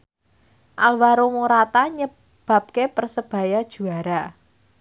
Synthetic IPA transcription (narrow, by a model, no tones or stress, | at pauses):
ʔalwaɾomuɾat̪aɲə | b̥a̤p̚kepərsəb̥a̤jad̥ʒ̥ṳaɾa